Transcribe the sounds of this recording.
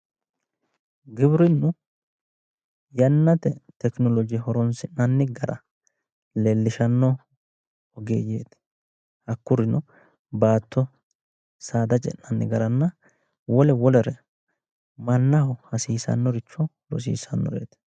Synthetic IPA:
ɡɪbɾɪnːʊ | jɐnːɐt̪ɛt̪ɛknɔlɔd͡ʒɪjɦɔɾɔnsɪnnɐnːɪɡɐɾɐ̰ | lɛlːɪʃɐnːɔ | ɔɡeːje̞̰ːt̪ | hɐkːʊɾɪnɔ | baːt̪ːɔ | saːd̪ɐt͡ʃʼɛ̰nːɐnːɪ̰ɡɐɾɐnːɐ | wɔlɛwɔlɛɾɛ | mɐnːɐhɔhɐsiːsɐ̰nːɔɾɪt͡ʃːɔ | lɔ̰s̬ḭːsɐnːɔ̰ɾḛːt̪

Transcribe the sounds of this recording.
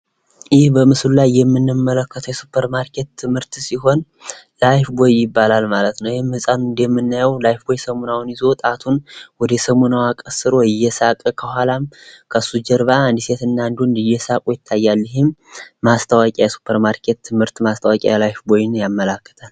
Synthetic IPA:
jɪhbəmɨslulajːɛmːɨnːɨmːələkːət̪ʰəwjɛsupʰːəɾmaɾkʰe̞t̪t̪ʰːɨmhɨɾt̪siɦo̞n | lajfbo̞jːɪbːalalmalət̪nəwjhɪmːɨsʼanuɨnd̪jɛmːɨnːajəwlajfbo̞jsəmunawnɪzo̞wt̪ʼat̪ʰunwɔd̪əɛsəmunawakʼəsɨɾo̞ɪjːɛsakʼəkʰəhʷalamkʰəsud͡ʒəɾbaːnd̪ise̞t̪ɨnːand̪uɨnd̪ɨjːɛsakʼujɪt̪ʰːajːalːɪɦɪmːast̪ʰəwakʼajɛsu̥pʰːəɾmaɾkʰe̞t̪ʰːɨmhɨɾt̪mast̪ʰəwakʼa̰jlajfbo̞jɪnjamːələkːə̥t̪ʰal

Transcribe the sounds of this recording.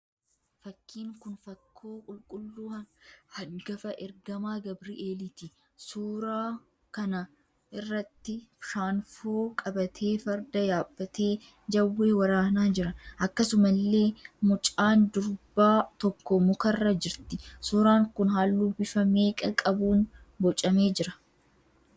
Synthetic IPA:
fɐkːiːŋkʊnfɐkʰːoːkʼʊlkʼʊlːuːhɐhɐɡɐfɐʔɛɾɡɐmaːɡɐbɾiʔeːlɪt̪ɪ | suːɾaː | kɐnɐ | ʔɪrːɐt̪ːɪʃaːnfoːkʼɐbɐt̪ʰe̞ːfɐɾd̪ɐjaːbːɐt̪eː | d͡ʒɐwːeːwɐɾaːnaːd͡ʒɪɾɐnɐkːɐsʊmɐlːe̞ːmʊt͡ʃʼaːnd̪ʊɾbaːt̪ɔkːɔmʊkɐrːɐd͡ʒɪɾt̪ɪsuːɾaːŋkʊnɦaːlːuːbɪfɐme̞ːkʼɐkʼɐbuːn | bɔt͡ʃʼɐme̞ːd͡ʒɪɾɐ

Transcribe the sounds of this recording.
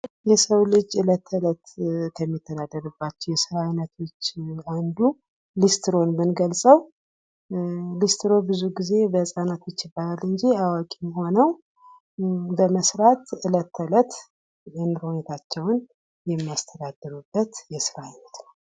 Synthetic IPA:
jɛsəwlɨd͡ʒɨlət̪ʰːələt̪kʰəmːit̪ʰːəd̪ad̪ːəɾɨbːat͡ʃːɛjɛsɨɾaajnət̪ʰo̞t͡ʃːand̪u | list̪ʰɾo̞nmɨnɡəlsʼəw | list̪ɾo̞bɨzuɡize̞bəsʼanat̪ʰo̞t͡ʃːjɪbːalalɨɲd͡ʒiawakʼijho̞nəw | bəməsɾat̪ɨlət̪ʰːələt̪ | jɛnɾo̞ɲet̪ʰat͡ʃːɛwn | jɛmːiast̪ʰəd̪ad̪ːɨɾubːət̪jɛsɨɾaajnət̪nəw

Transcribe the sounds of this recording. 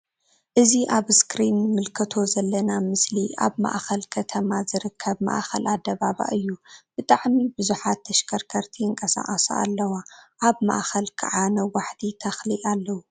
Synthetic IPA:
ʔɨziʔaβskɾinːɨmɨlkʰɐt̪ʰo̞zɐlːɐnamɨslia̰βma̰ʔxɐlkʰɐt̪ʰɐmazɨɾɨkʰːɐβma̰ʔxɐlad̪ːɐβaβa̰ʔɨjːub̥ɨt̪ʼaʕmibɨzuħat̪ʰːɐʃkʰɐɾkʰɐɾt̪ʰiɨŋkʼɐsa̰ʔʼɐsa̰a̰lːɐwaʔaβma̰ʔxɐlkʰɐ̰ʕanɐwaħt̪ʰit̪ʰɐxliʔalːɐwu

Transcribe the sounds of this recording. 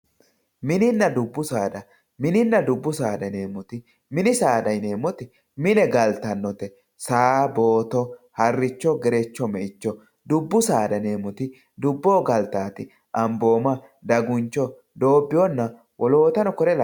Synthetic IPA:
mɪnɪnːɐd̪ʊbːʊsaːd̪ɐ | mɪnɪnːɐd̪ʊbːʊsaːd̪ɐne̞ːmɔt̪ɪ | mɪnɪsaːd̪ɐjne̞ːmɔt̪ɪ | mɪnɛɡɐlt̪ɐnːɔt̪ɛ | saːbo̞ːt̪ɔhɐrːɪt͡ʃːɔɡɛɾɛt͡ʃːɔmɛʔɪt͡ʃːɔ | d̪ʊbːʊsaːd̪ɐne̞ːmɔt̪ɪ | d̪ʊbːo̞ːɡɐlt̪aːt̪ɪ | ʔɐmbo̞ːmɐ | d̪ɐɡʊnt͡ʃːɔ | d̪o̞ːbːɪjɔnːɐ | wʔɔlo̞ːt̪ɐnɔkɔɾɛl

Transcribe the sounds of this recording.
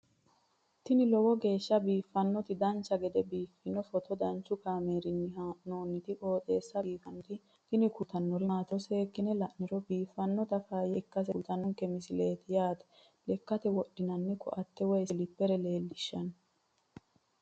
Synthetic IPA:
t̪ɪnɪlɔwɔɡe̞ːʃːɐbiːfːɐnːɔt̪ɪd̪ɐnt͡ʃːɐɡɛd̪ɛbiːfːɪnɔfɔt̪ɔd̪ɐnt͡ʃːʊkaːmeːɾɪnnoːnːɪt̪ɪko̞ːt̪ʼe̞ːsːɐbiːfɐnːɔt̪ɪ | t̪ɪnɪkʊt̪ɐnːɔɾɪaːt̪ɔseːkːɪnɛlɐʔnɪɾɔbiːfːɐnːɔt̪ɐfaːjɛkːɐs̬ɛt̪ɐnːɔŋkɛmɪsɪleːt̪ɪjaːt̪ɛ̥ | lɛkːɐt̪ɛwɔɗːɪnɐnːɛkʰɔ̰ʔɐt̪ːɛwɛjsɪlɪpːɛɾɛle̞ːlːɪʃːɐn

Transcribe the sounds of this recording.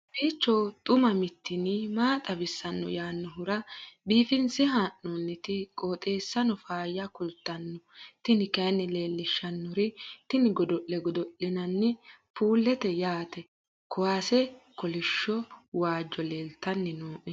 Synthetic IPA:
beːt͡ʃːɔt̪ʼʊmɐmɪt̪ːɪnɪmaːt̪ʼɐbɪsːɐnːɔ̰jaːnːɔɦʊɾɐbiːfɪnsɪɦaːʔːɔnːɪt̪ɪkʼoːt̪ʼe̞ːsːɐnɔfaːjɐkʊlt̪ːɐnːɔt̪ɪnɪkɐnːɪle̞ːlːɪʃːɐnːɔɾɪt̪ɪnɪɡɔd̪ɔʔːɛɡɔd̪ɔʔːɪnɐnːɪpuːlːɛt̪ɛjaːt̪ɛ | kʊwaːsɛkɔlɪʃːɔwaːd͡ʒːɔleːlt̪ːɐnːɪnoːʔɛ

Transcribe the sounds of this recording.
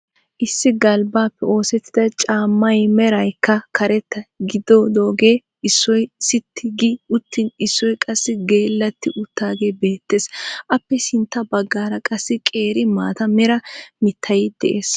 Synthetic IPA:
ʔɪsːɪɡɐlbaːpːɛo̞ːsɛt̪ːɪd̪ɐt͡ʃʼaːmːɐjmɛɾɐjkːɐkʰɐɾɛt̪ːɐɡɪd̪oːd̪o̞ːɡe̞ː | ɪsːɔjsɪt̪ʰːɪɡiʊt̪ːɪnɪsːɔjkʼɐsːɪɡeːlːɐt̪ːɪʔʊt̪ːaːɡe̞ːbe̞ːt̪ːe̞ːsʔɐpːɛsɪnt̪ːɐbɐɡːaːɾɐkʼɐsːɪkʼe̞ːɾɪma̰ːt̪ɐmɛɾɐmɪt̪ʰːɐjɪd̪̥ɛ̰ʔeːs

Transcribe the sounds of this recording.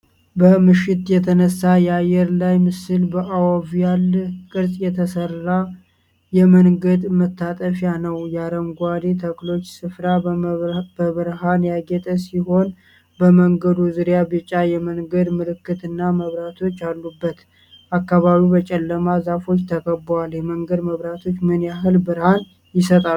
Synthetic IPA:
bəmɨʃɪt̪jɛt̪ʰənəsːajɛajːɛɾlajmɨsɨlbəʔawəvjalːkʼɨɾsʼjɛt̪ʰəsərːa | jɛməŋɡəd̪mət̪ːat̪ʼəfjanəwjaɾəmɡʷad̪et̪ʰəklo̞t͡ʃːsɨfɾa | bəβɨɾɦanjaɡɛt̪ʼəsiɦo̞n | bəməŋɡəd̪uzɨɾjabɨt͡ʃʼːajɛməŋɡəd̪mɨlɨkːɨt̪ɨnːaməβɾat̪ʰo̞t͡ʃːalːubːət̪ | ʔakːaβaβiwbət͡ʃʼɛlːəmazafo̞t͡ʃːt̪ʰəkəbːwaljɛməŋɡəd̪məβɾat̪ʰo̞t͡ʃːmɨnjaɦɨlbɨɾhan | jɪsət̪ʼa

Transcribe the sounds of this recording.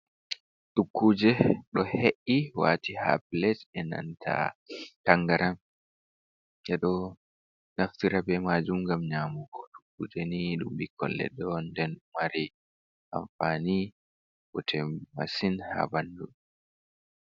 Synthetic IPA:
ɗukʰːuːd͡ʒɛɗɔheʔːiwa̰tiha̰plɛtɛna̰ntʰa̰kaŋɡaɾam | ʔɛɗɔ | naftiɾabɛmad͡ʒumɡamɲaːmuɡɔtu̥kːuːd͡ʒɛniɗumbikɔ̰lːɛ̰ɗɔndɛnmaɾi | ʔa̰mfani | wɔtʰɛma̰sinha̰bandu

